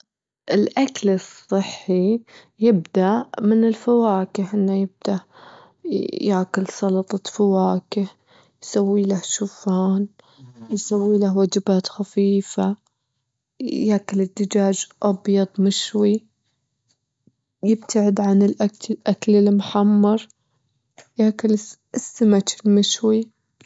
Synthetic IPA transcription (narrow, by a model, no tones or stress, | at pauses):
ʔɪlʔaklɨsˤːɨħːi | jɪbd̪aʔmɪnɪlfawaːkɪħʔɪnːajɪb̚d̪̥aʔ | jaːkʊlsˤɑlɑt̪ˤɑfawaːkɪh | jsawːiːlahʃufaːn | jsawːiːlahwad͡ʒɪbaːt̪xafiːfa | jaːkɪlɪd̪ːɪd͡ʒaːd͡ʒʔɑbjɑd̪ˤmɪʃwi | jɪbt̪ʰaʕɪd̪ʕanɪlʔaʔaklɪlmʊħamːɑɾˤ | jaːkʊl | sːamat͡ʃɪlmɪʃwi